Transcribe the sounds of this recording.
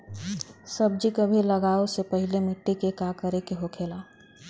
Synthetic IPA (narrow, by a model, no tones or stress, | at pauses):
səb̚d͡ʒikəbʱiləɡaːosepəɦilemɪʈːekekakəɾekeɦokʰeːla